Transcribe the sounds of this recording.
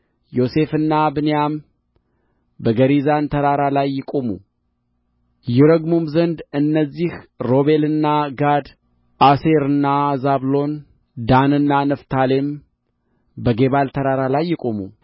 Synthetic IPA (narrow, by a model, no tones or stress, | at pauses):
jo̞se̞fɨnːabɨnejam | bəɡəɾizant̪ʰəɾaɾalajːɪkʼo̞mṵ | jɛɾəɡmumzənd̪ɨnːəzːihɾo̞βe̞lɨnːaɡad̪ | ʔase̞ɾɨnːazaβlo̞n | d̪anɨnːanəft̪ʰale̞m | bəɡe̞βalt̪ʰəɾaɾalajːɪkʼo̞mṵ